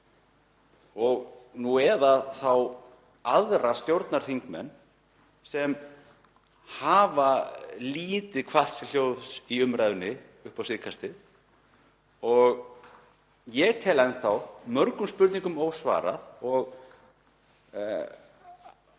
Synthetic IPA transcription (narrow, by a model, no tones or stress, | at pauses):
ɔɣnuɛðaθaw | aðɾast̪jowɾt̪naɾ̥θiŋkmɛ̰nː | sɛm | haːvaliːt̪ɪkʰval̥t̪sɛljowðsiʏmɾajðʏnːɪ | ʏhpawsɪkʰast̪ɪ | ɔɣ | jɛɣt̪ʰɛːlajnθawmœɾkʏmspʏɾt̪niŋkʏmoːwsva̰ːɾa̰ðɔɣ